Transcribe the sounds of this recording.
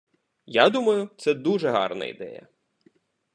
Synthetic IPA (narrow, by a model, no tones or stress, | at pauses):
jad̪umɐjʊt̪sɛd̪uʒɛɦɑ̰rnɐ̰ḭd̪ɛ̰jɐ̰